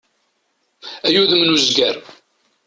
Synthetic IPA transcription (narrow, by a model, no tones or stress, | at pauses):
æjuðəmnuzɡæɾ